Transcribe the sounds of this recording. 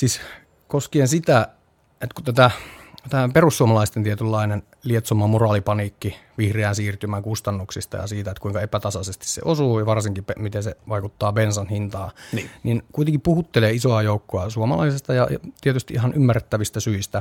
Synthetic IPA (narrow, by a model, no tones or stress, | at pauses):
siːs | koskieensit̪æ | ʔet̪kut̪æt̪æt̪æːperusːuomɑlɑist̪ent̪iet̪ylːɑinen | liet̪somːɑmurɑːlipɑniːkːiʋihreænsiːrt̪ymæŋkust̪ɑnːuksist̪ɑ̰jɑ̰siːt̪æet̪kuiŋkɑepæt̪ɑsɑsest̪i̥ssḛʔosuːjɑʋɑrsiŋkipemit̪enseʋɑikut̪ːɑːbensɑnhint̪ɑːnninkuit̪eŋkippuhut̪ːeleːisoɑjoukːoɑsuomɑlɑ̰isest̪ɑjɑ̰t̪iet̪yst̪iʔihɑnʔymːæret̪ːæʋist̪æsyist̪æ